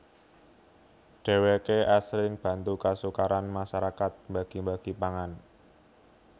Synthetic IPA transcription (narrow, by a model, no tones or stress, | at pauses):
ɖ̥e̤wekeʔaslɪŋb̥ä̤nt̪ukasukaɾanmaʃaɾakat̪̚mbaɡ̥i̤mbaɡ̥i̤paŋan